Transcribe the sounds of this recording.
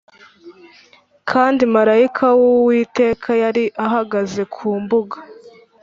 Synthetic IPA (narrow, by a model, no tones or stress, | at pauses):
kʰaːndimaɾaikʰawowiːte̞ːkʰajaɾiʔaɦaɡaze̞kʰuːmbuɡḁ